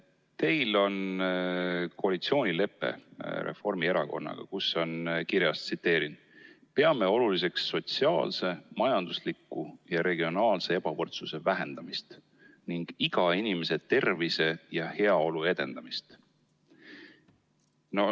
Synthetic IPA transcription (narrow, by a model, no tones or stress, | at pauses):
t̪e̞jlo̞n | koɑlit̪sio̞ːnʲile̞pːˑe̞̰ɾe̞̰fo̞rmieɾɑko̞̰nːɑ̰ɡ̥ɑ̰kusːo̞nkiɾjɑst̪sit̪ːe̞ːɾin | pe̞ɑme̞o̞lulis̬e̞ksːo̞t̪siɑ̰ːlse̞mɑjɑnd̪̥uslikːˑujɑɾe̞ɡ̥io̞nɑːlse̞e̞b̥ɑvɤrt̪suse̞væɦe̞nd̪̥ɑmist̪ | niŋɡ̥iɡ̥ɑinime̞se̞t̪e̞rvise̞jɑhe̞ɑo̞lue̞d̪̥e̞nd̪̥ɑmist̪ | no̞